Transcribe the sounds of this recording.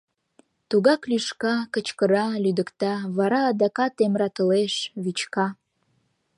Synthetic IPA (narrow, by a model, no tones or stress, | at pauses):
t̪uɣɑklyʃkɑkət͡ɕkəɾɑlyd̪əkt̪ɑβɑɾɑːd̪ɑkɑt̪emɾɑt̪əleʃβit͡ɕkɑ